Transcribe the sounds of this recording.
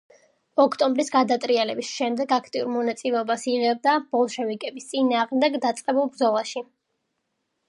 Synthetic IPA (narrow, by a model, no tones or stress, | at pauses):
ɔkʰt̪ʼɔmbɾisɡad̪at̪ʼɾialɛbisʃɛmd̪ɛɡakʰt̪ʼiuɾmɔnat̪sʼilɛɔbasiʁɛb̚d̪ab̥ɔlˠʃɛvikʼɛbist̪sʼinaːʁmd̪ɛɡd̪at̪sʼqʼɛbulˠbɾd̪zɔlˠaʃi